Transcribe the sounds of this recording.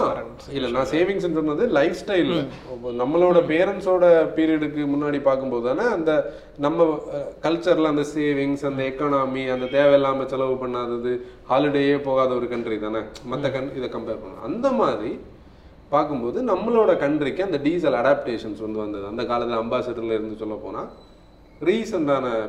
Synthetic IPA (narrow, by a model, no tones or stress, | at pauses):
ɪlːɐnãːseːʋɪŋs̬ɛnːɯsɔnːaːðɯlɐɪfsʈɐɪl | nɐmːɐɭoːɽɐpeːɾɐnsoːɽɐpiːɾɪjɐɽɯkːɯmʊnːaːɽipaːɾkɯmpoːðɯðaːnɐːnd̪ɐ | nɐmːɐkɐlt͡ʃɐɾɪlɐnd̪ɐseːʋɪŋsɐnd̪ɐɛkːaːnaːmiɐnd̪ɐt̪eːʋɛjɛlːaːmɐsɛlɐʋɯpɐɳːaːðɐðɯhaːlɪɽeːjeːpoːɣaːðɐɔɾɯkɐɳɖɾit̪aːnɐmɐt̪ːɐkɐɪðɛkɐmpeːɾpɐɳːã̰ɐ̰nd̪ɐmaːðɾi | paːɾkɯmpoːðɯnɐmːɐloːɽɐkɐɳɖɾɪkːɯɐnd̪ɐɖiːs̬ɐlɐɽaːpʈeːʂɐnsʋɐnd̪ɯʋɐnd̪ɐðɯɐnd̪ɐkaːlɐt̪ːɪlɐmbaːsɐt̪ːɾlɪɾɯnd̪ɯsɔlːɐpo̰ːna̰ː | ɾiːsɐnd̪aːnɐ